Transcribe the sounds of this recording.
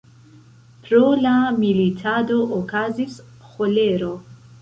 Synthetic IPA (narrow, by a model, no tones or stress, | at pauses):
pɾolamilitʰad̪oʔokʰazis | xoleɾo